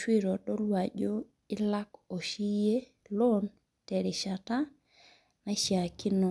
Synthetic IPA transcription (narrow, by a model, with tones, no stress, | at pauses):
ʃwi˦ɾo˨ɗo˦lwa˨d͡ʒo | i˦la˦ko˨ʃi˦je˦ | lon | tɛ˨ɾi˨ʃata˦ | na˦ʃja˨ki˦no˨